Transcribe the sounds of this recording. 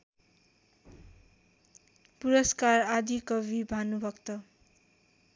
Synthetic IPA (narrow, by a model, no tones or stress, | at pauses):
puɾʌskarad̪ʱikʌbibʱanubʱʌkt̪ʌ